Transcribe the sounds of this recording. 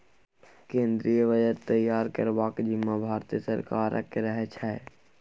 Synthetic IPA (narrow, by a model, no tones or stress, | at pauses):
kẽːnd̪ɾijəʋəd͡ʒəɾt̪əjːaːɾkəɾbaːkd͡ʒɪmːabʱaːɾt̪iəsəɾkaːɾʔə̰keɾəɦɛt͡ʃʰɛe